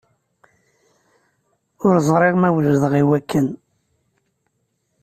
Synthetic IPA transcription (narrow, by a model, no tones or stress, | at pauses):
ʊɾzˤɾˤɪʁmæwʒəðəʁiwækʰːən